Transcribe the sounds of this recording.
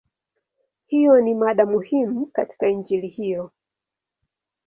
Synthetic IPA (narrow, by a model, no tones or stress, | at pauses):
hijɔnimaɗamuhimukati̥kaind͡ʒilihijɔ